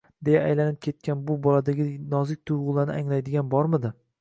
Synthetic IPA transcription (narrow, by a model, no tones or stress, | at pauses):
d̪ejaajlanɪp̚kʲʰe̞t̪̚kʲʰanbʊbɒlˠad̪aɡʲɪnɒzɪk̚ʲt̪ʰʊjʁʊlˠanɪaŋlajd̪ɪɡʲanbɒɾmɪd̪ɪ